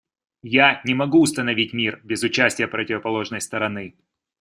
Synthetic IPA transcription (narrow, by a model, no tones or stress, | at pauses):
janʲɪmɐɡuʊst̪ənɐvʲitʲmʲirbʲɪzʊt͡ɕæsʲtʲɪjəpɾətʲɪvəpɐlˠo̞ʐnəjst̪əɾɐnɨ